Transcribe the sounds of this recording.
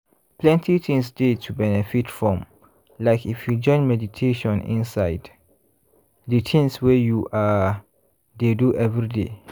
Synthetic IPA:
plɛ̃ntʰitʰĩŋsdetʰubɛnɛfitfɹɔ̃m | laɪkifjud͡ʒɔ̃ɪ̃nmɛditʰeʃɔ̃nḭ̃nsaɪd | ditʰĩŋswejuʔa | deduʔɛvɹidḛ

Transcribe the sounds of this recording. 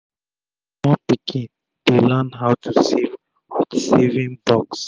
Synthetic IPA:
mɔpikʰĩn | d̥elɛnɦawtʰusiv | witsevĩŋbɔks

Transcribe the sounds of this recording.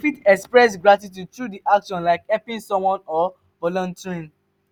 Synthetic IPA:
fitɛkspɹɛs̬ɡɹatit̬utɹudiʔakʃɔ̃nlaɪkɛpĩnsɔ̃mwɔ̃nɔ | vɔlɔ̃ntʰiĩn

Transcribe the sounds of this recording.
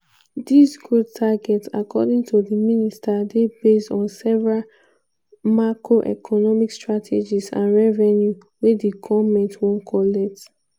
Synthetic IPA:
disɡɹotʰːaɡɛtsa̰kʰɔdĩŋtʰudiministadebestɔ̃nsɛvɹal | makɹoʔɛ̰kʰɔnɔmikstɹatʰed͡ʒisã̰nɹɛvɛnju | wediɡɔmɛ̃ntwɔ̃nkʰɔlɛk̚t

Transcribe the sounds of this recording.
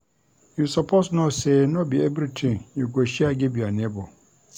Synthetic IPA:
jusapʰosnõsenɔ̃biɛbɾitʰĩŋjɛɡɔɕiaɡɛbianɪ̃bɔ

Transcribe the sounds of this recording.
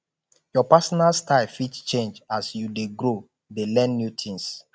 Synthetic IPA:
jɔpasɔnalstaɪlfitt͡ʃẽnd͡ʒasjudeɡɾo | delɛ̃nːjutʰĩns

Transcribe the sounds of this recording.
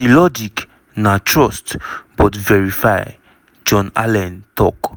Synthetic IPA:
ilɔd͡ʒik | natʰɹɔstb̥ɔtvɛɹifaj | d͡ʒɔ̃na̰lɛ̃ntɔk

